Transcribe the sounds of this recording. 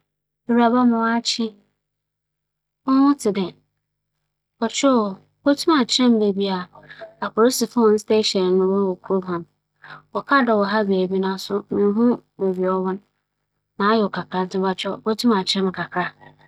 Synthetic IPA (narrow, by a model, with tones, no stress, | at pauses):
e˨wɾa˨ba˦mʊ̃˨wa˦t͡ɕʰɪ˦ | ɔ˦wʊ̃˦tʰɪ˨dɛ˨ | ɔ˨t͡ʃʰᶣɔ˦˨ | bo˦tʰũ˦ma˨t͡ɕʰɪ˦ɾɛ̃˦m˦be˨bi˦a˨a˨kʊ˨ɾo˦si˨fa˦wɔ̃˨n̩˦ste˦ɕɛ˨ɾnʊ̃˦wɔ̃˦wɔ˨kʰu˨ɾo˦bhã˨m | ɔ˨kʰa˦˨dɔ˨wɔ˨ɦa˦be˨e˨bi˦nã˦sʊ˦mĩ˨ɦũ˦be˨bi˨ɔ˦wɔ̃˦nː | ãː˨˦jɛ˨ɔ˨kʰa˨kʰɾa˨n˦tʰɪ̃˦ba˨t͡ʃᶣɔ˦˨bo˦tʰũ˦mã˨t͡ɕʰɪ˦ɾɛ̃˦m˨kʰa˨kʰɾa˦